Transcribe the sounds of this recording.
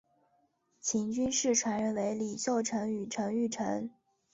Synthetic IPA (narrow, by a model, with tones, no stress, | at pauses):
t͡ɕʰi˧˥ŋt͡ɕy˥nʂɻ̩˥˩ʈ͡ʂʰwa˧˥nɻə˧˥nwe˧˥ɪli˨˩ɕjo˥˩ʊʈ͡ʂʰɤ˧˥ŋy˨˩ʈ͡ʂʰɤ˧˥ŋy˥˩ʈ͡ʂʰɤ˧˥ŋ